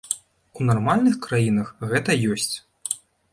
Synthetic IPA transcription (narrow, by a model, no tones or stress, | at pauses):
unarmalʲnɨxkɾajinɐxɣɛt̪ɐjɔsʲt͡sʲ